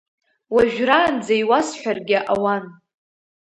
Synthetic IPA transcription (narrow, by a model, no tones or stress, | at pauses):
waʒᶣraːnd͡zajwasħʷᶣarɡʲɪʔawan